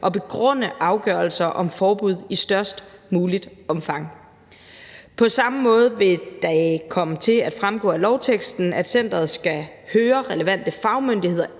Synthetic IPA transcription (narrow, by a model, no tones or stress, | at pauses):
ʔɒ̽b̥e̝ɡ̥ʁɔ̽n̰əʔɑ̈ʊɡ̥ɶɐl̩sɐʔɒ̽mfɒːb̥uð̞̰ˠisd̥ɶɐ̰sd̥muːlid̥ɒ̽mfɑ̈ŋ̰ | pʰɒ̽sɑ̈məmɔ̽ːð̞̩ˠʋe̝d̥ɑ̈ɪkʰɒ̽mət͡sʰe̝læd̥fʁamɡ̥ɔ̰ːælɒʊt͡sʰeɡ̥sd̥n̩æd̥sen̰d̥ʁɐð̞̩ˠsɡ̥æ | høːɐʁɛləʋæn̰d̥əfɑ̈ʊmønd̥ihe̝ð̞̰ˠɐ